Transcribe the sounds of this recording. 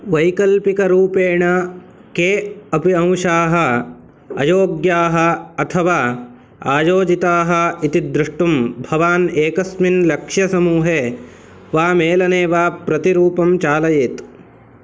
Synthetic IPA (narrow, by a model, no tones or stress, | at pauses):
ʋɐjkɐlpikɐɾuːpeːɳɐ | keːɐpiɐ̃w̃ʂaːɦɐ̆ | ɐ̰joːɡjaːɦɐ̆ɐt̪ʰɐʋaː | a̰ːjoːd͡ʒit̪aːɦɐit̪id̪ɾuʂʈumbʱɐʋaːneːkɐsminlɐkʂjɐsɐmuːɦeː | ʋaːmeːlɐneːʋaːpɾɐt̪iɾuːpɐmt͡ʃaːlɐjeːt̪